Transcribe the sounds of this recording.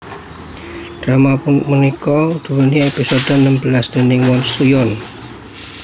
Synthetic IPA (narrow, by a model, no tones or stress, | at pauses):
d̥ɾamapʊnmunikɔud̪̥ṳwəniepisod̪̥o̤nəmbəlasd̪̥e̤nɪŋwɔnsujɔn